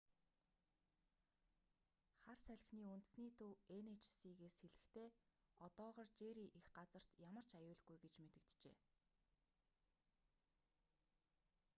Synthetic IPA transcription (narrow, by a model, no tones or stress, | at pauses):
χarsæɮ̆ʲxniːunt̪ɘ̥̆sniːt̪ʰɵwenet͡ɕʰsiːɣeːsxeɮɘ̆xt̪ʰeːɔt̪ɔːʁɔːrt͡ɕeːɾiːʔixɢat͡sə̆r̥t̪jamə̆r̥t͡ɕajʊːɮɣujɡet͡ɕmet̪ɘ̆k̚t̪t͡ɕḛː